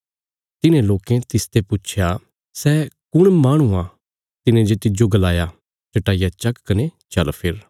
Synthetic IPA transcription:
t̪ɪnẽloːkẽt̪ɪst̪epʊt͡ʃʰja | sɛːkʊɽ̃maːɽ̃ũã | t̪ɪnẽd͡ʒet̪ɪd͡ʒoɡɐlaːja | t͡ʃɐʈaːijat͡ʃɐkkɐnet͡ʃɐlpʰɪɾ

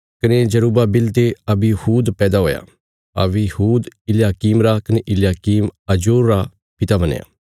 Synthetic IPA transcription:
kɐned͡ʒɐɾuːbabɪlt̪eɐbihuːd̪pɛːd̪aɦoːja̰ | ɐ̰ʋihuːd̪ɪljaːkiːmɾakɐneʔɪljaːkiːmɐd͡ʒuːɾːa | pɪt̪abɐnḛja̰ː

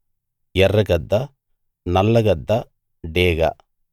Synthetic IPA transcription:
jɛrːɐɡɐd̪ːɐ | nɐlːɐɡɐd̪ːɐ | ɖeːɡɐ̰

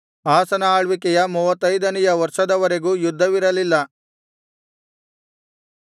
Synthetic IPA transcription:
aːsɐnɐaːɭʋikɛjɐmuːʋɐt̪ːɐjd̪ɐnɛjɐʋɐɾʂɐd̪ɐʋɐɾe̞ɡuːjud̪ʱːɐʋiɾɐlilːɐ

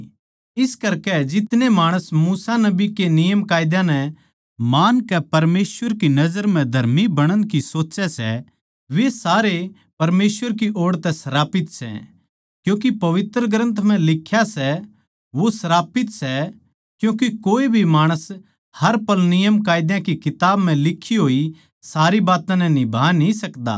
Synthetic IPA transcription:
ɪskɐɾkɛd͡ʒɪt̪nemaːɽ̃əsmuːsanɐbikenɪjəmkaːjɪd̪jãnɛ | maːnkɛpɐɾmeːsʋəɾkinɐd͡ʒəɾm̤ɛ̃d̪ʱɐɾmibɐɽ̃ənkisoːt͡ʃɛsɛ̰ | ʋesaːɾe | pɐɾmeːsʋəɾkiʔoːɽt̪ɛsɐɾaːpɪt̪sɛ̰ | kjũːk̬ipɐʋɪt̪ɾəɡɾə̃nt̪ʰm̤ɛ̃lɪkʰːjasɛ | ʋosɐɾaːpɪt̪sɛ | kjũːkikoːibʱimaːɽ̃əs | hɐɾpɐlnɪjəmkaːɪd̪jãkikɪt̪aːbm̤ɛ̃lɪkʰːiɦoːi | saːɾibaːt̪ãnɛnɪbʱaːnĩsɐkd̪a̰ː

